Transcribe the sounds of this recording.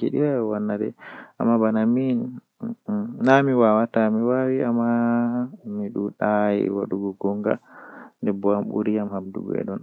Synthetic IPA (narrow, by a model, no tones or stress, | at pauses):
keɗiwawanːadɛ̰a̰mːabanamin | namiwawatamiwawiamːa | miɗuɗajḭwa̰ɗuɡɔɡɔŋɡa̰ndɛbɔamɓṵɾijamhabdṵɡɔ̰ɛ̰ɗɔn